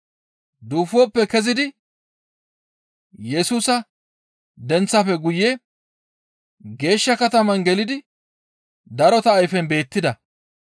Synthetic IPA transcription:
d̪uːfoːpːɛkɛzɪd̪ɪ | jɛsuːsɐ | d̪ɛnt͡sːɐfɛɡʊjːɛ | ɡe̞ːʃːɐkɐt̪ɐmɐnɡɛlɪd̪ɪ | d̪ɐɾɔt̪ɐːjfɛnbe̞ːt̪ːɪd̪ɐ

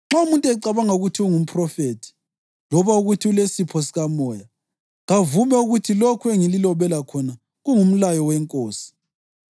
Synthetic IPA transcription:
ŋ͡ǁaumuntʼɛǀaβaŋauɣutʰiuŋum̩pʰʼrɔfeːtʰi̥ | lɔβauɣutʰiulesipʰɔsiɣamɔːja | ŋavumɛuɣutʰilokʰueŋililɔβɛlakʰɔna | ɣuŋum̩lajɔwɛŋkʼoːsi̥

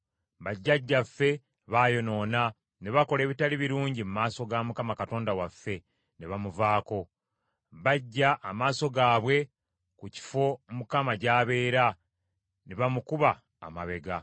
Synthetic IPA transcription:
βaɟːaɟːafːe̞ | βaːjo̞no̞ːna | ne̞βako̞le̞ːβitaliβiɾuːɲɟimumaːso̞ɡamukamakato̞ːndawafːe̞ | neβamuvaːko̞ | βaɟːaʔːmaːso̞ɡaːβwe̞ | kuci̥fo̞mukamaɟaːβe̞ːɾa | neβamukuβa̰ː | ma̰βe̞ɡa

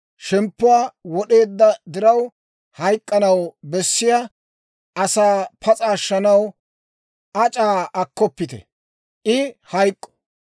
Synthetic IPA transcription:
ʃɛmpːʊwaːwɔɗe̞ːd̪ːɐd̪ɪɾɐw | hɐjkʼːɐnɐwbɛsːɪja | ʔɐsaːpɐt͡sʼaːʃːɐnɐw | ɐt͡ʃʼaːɐkːɔpːɪt̪ɛ̰ | ʔɪhɐjkʼːɔ̥

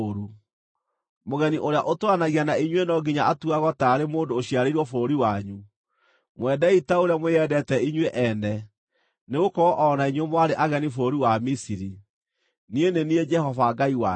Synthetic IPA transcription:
ɾu | moɣɛniʔoɾeaʔotwanaɣianaiɲwenɔɡiɲaatuaɣɔtaɾemoːndoːɕiaɾeiɾwɔfoːɾiwaɲu | mwɛdɛitaoɾejamweɛdɛtɛiɲweʔɛnɛ | neɣokɔɔʔɔnaiɲwemwaɾeʔaɣɛnifoːɾiwamisiɾi | nienenied͡ʒɛhɔvaɡaiwa

